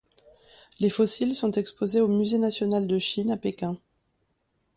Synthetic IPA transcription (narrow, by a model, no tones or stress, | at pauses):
lefɔsilsɔ̃t̪ɛkspozeomyzenasjɔnald̪əʃinapekʲɛ̃